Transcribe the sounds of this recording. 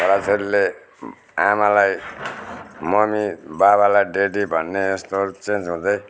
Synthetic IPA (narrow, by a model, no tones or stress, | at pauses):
ʌɾat͡sʌɾule | amalaj | mʌmibaβalajɖeɖibʱʌnːeːst̪ot͡send͡zɦũd̪ʌj